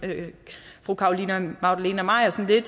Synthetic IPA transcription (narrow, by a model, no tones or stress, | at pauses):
øfʁuːkʰɑ̈o̝linɐmɑ̈ʊd̥æleːnɐmɑ̈ɪ̰ɐsɒ̽n̩le̝d̥